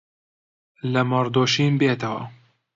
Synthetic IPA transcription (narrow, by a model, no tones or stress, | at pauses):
lɐmɐɾd̪oːʃiːmbeːt̪ɐwɐ̰